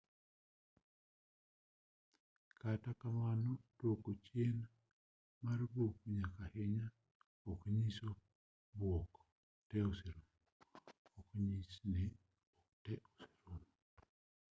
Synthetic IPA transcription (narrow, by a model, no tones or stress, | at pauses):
katakamanɔtwokot͡ʃjena | maɾbokɲakahɪɲa | okɲiso | bwɔk | tɛosiɾom | okɲisnɛ | ɔktɛʔosi̥ɾom